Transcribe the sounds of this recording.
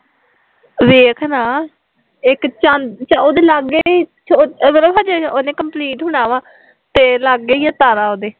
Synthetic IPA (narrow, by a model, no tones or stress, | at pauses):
ʋeːkʰnaː | ɪkt͡ʃand̪t͡ʃaoːd̪eːlaɡeːt͡ʃʰomət̪ləbɦãːd͡ʒeoːnẽːkəmpliːʈɦʊɳaːʋaː | t̪eːlaɡːeːjaːt̪aːɾaːoːd̪eː